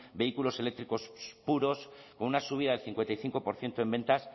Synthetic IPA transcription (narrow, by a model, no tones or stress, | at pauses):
be̞ikulo̞se̞le̞k̚t̪ɾiko̞spuɾo̞sko̞nunasuβ̞iðaðelθiŋkwent̪ajθiŋko̞po̞ɾθje̞nt̪oe̞mbẽ̞nt̪as